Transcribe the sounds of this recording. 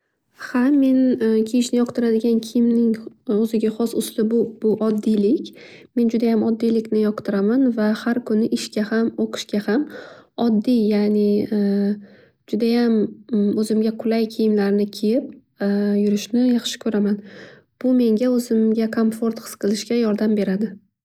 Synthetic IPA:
hame̞nkʲʰejɪʃnɪjɒqt̪ʰɪɾad̪ɪɡʲankʲʰɪjɪmnɪŋɵzɪɡʲaχɒsʊslɪbʊb̥ʊʔɒd̪ːijlɪkʲme̞nd͡ʒʊd̪ajamɒd̪ːijlɪkʲnɪjɒqt̪ʰɪɾamanvahaɾkʰʊnɪʔɪʃkʲahamoqʰɨ̥ʃkʲahamɒd̪ːijanɪ | d͡ʒʊd̪ajamɵzɪmɡʲaqʰʊlajkʲʰijɪmlaɾɪnɪkʲʰejɪp̚ | jʊɾɪʃnɪjɑχʃɪ̥kʰɵɾaman | b̥ʊme̞ŋɡʲaɵzɪmɡʲakʰomfo̞ɾt̪χɨ̥sqʰɨlˠɪʃkʲajɒɾd̪ambe̞ɾad̪ɪ

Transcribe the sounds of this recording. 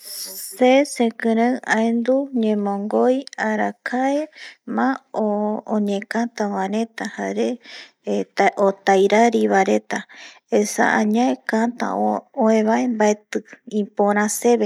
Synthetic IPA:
sesẽkɨ̃ɾaaend̪uɲẽmõŋɡojaɾakʰaemãooɲẽkãt̪ãwãɾẽt̪ahaɾe | ot̪ajɾaɾiβaɾet̪a | esa̰ʔãɲãekat̪a̰ooẽβaembaet̪ɨĩpoɾ̃ãseβe

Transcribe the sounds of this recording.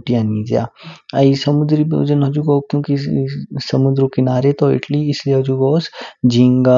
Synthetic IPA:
ʈijãnĩd͡ʒja̰ɐisɐmʊd̪ɾib̰d͡ʒənɦɐd͡ʒuɡɔkjõːkisɐmud̪ɾõkɪnaːɾet̪ɔɪ̰ʈliɪslieɐd͡ʒuɡɔːsd͡ʒiŋɡa

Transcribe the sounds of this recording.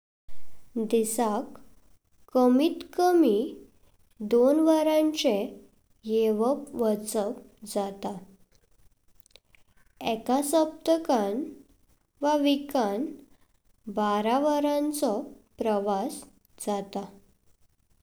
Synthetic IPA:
d̪isakː | əmiːt̪kəmi | d̪onʋaɾãɲt͡ɕe | jeʋəpʋət͡sək | d͡zat̪a | ɛkasəp̚t̪əkan | ʋaʋikan | baɾaʋəɾãnt͡sɔpɾəʋas | d͡zat̪a

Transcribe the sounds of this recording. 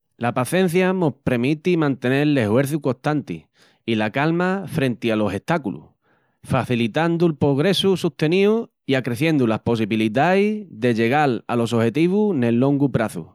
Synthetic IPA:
lapaθẽ̞n̟θjanospɾemit̪imãnt̪e̞ne̞ɾle̞hwe̞ɾθuko̞ht̪ant̪ḭ | ilakalmafɾe̞nt̪ialo̞se̞ht̪akulṵ | faθilit̪and̪ulpɾo̞ɣ̞ɾe̞susuht̪e̞niu | iakɾe̞θje̞nd̪ulahpo̞siβiliðajðe̞ʎe̞ɣ̞ala̰lo̞s̬ohe̞t̪iβune̞lːo̞ŋɡupɾaθṵ

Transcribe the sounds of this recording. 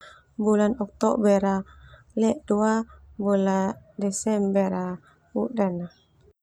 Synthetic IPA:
bulanɔk̚t̪ɔ̰bɛɾa | lɛʔduabuladɛsɛmbɛɾa | udana

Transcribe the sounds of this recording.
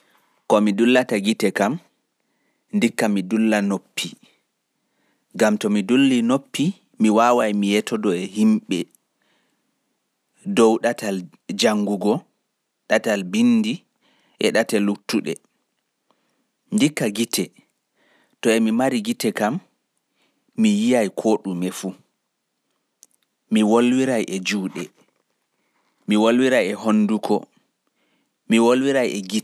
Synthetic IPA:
kɔmidulːataɡitɛkam | ndikːamidulːanopːi | ɡamtɔmidulːinopːi | miwawajmijɛtʰɔdɔɛhimɓɛ | dɔwɗatal | d͡ʒaŋɡuɡɔ | ɗatalbindi | ʔɛɗatɛlutːuɗɛ̰ | ndikːaɡitʰɛ | tɔɛmimaɾiɡitɛkam | ijijajkʰoːɗumɛfu | miwolwiɾajʔɛd͡ʒuːɗɛ | miwolwiɾajɛɦonːdukʰɔ̰ | miwolwiɾajɛɡi

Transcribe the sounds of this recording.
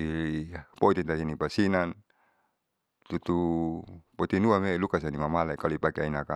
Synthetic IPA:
ipɔit̪int̪asinipasinan | t̪ut̪u | poit̪inuamelukas̬animamalakalipakeainaka

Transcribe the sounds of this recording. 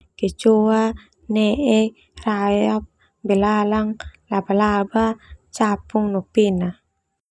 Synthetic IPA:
ket͡ʃoa | nɛʔɛ | rajap̚ | bɛlalaŋlabalabat͡ʃapuŋnɔpina

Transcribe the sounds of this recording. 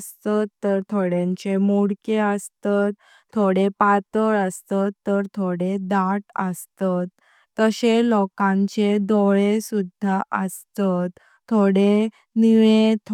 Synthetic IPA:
st̪at̪ːəɾt̪ʰoɽẽɲt͡ɕemuɽkeəst̪at̪ʰː | oɽepat̪əɾəst̪at̪ːəɾt̪ʰoɽed̪aʈə̰st̪at̪ː | əɕelɔkãɲt͡ɕed̪oɭesud̪ʱːaʔəst̪at̪ʰː | oɽe | niʋet̪ʰ

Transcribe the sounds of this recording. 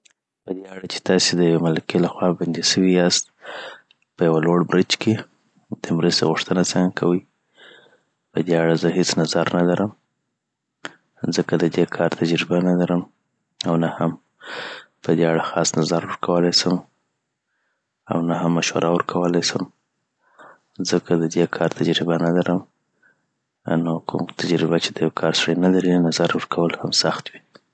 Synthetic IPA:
pəd̪eaɽat͡ʃe̥t̪ɑsed̪əjawemalakelaxwɑband̪iʃəwiast̪̚ | pəjawaloɽbɾit͡ʃke | d̪̥əmɾəst̪eɣʊʂt̪ənasaŋkʰawəj | pəd̪eaɽazəɦet͡snazaɾnalaɾʔəm | zəkad̪əd̪ekʰɑɾt̪ʰad͡ʒɾibanalaɾəm | awnaham | pəd̪eaɽaxɑsnazaɾwəɾkʰawəlajsəm | a̰wnahamːaʃwa̰ɾʔawəɾkʰawəlajsəm | zəkʰad̪əd̪ekʰɑɾt̪ʰad͡ʒɾɪbanalaɾəm | nokʰṵmt̪ʰad͡ʒɾɪbat͡ʃed̪əjawkʰɑɾsɽəjnalaɾinazaɾwəɾkʰawəlhamsaxt̪wi

